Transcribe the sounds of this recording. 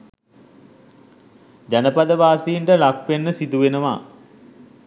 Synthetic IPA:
d͡ʑanəpad̪əʋaːsijiɳʈəlak̚penːəsid̪uʋenəʋa̰

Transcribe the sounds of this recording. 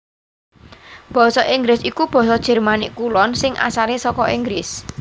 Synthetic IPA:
b̥ɔ̤sɔʔiŋɡɾɪsikub̥ɔ̤sɔd̥ʒ̥ɛ̤rmanɪʔkulɔnsɪŋʔa̰saɾesɔkɔʔiŋɡɾɪs

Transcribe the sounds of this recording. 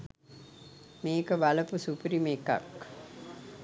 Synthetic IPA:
meːkəʋɐlɐpusupɾimeːkːa̰k

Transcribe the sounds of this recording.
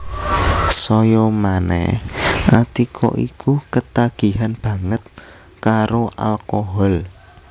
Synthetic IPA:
sɔjɔmanɛ̰hʔat̪ikʰɔ̰ʔḭkukət̪aɡ̥i̤ɦanb̥ä̤ŋət̪̚ | kaɾoʔa̰lkoɦɔl

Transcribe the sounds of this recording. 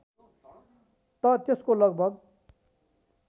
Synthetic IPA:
t̪ʌt̪eskolʌɡbʱʌɡ̚

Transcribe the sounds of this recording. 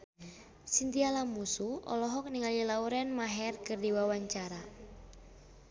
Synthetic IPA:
sint̪ialamusuɔ̰lɔɦɔk̚niŋalilauɾɛnmaɦɛrkɨrdiwawaɲt͡ʃaɾa

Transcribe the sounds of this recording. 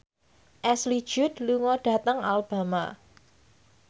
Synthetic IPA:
ʔɛsli̥ʒ̥ʊ̤t̪luŋɔɖ̥a̤t̪əŋalb̥a̤ma

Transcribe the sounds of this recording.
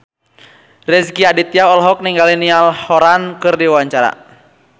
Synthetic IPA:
rɛsɡiadit̪jaɔlɦɔk̚niŋɡalinialhɔɾankɨrdiwaɲt͡ʃaɾa̰

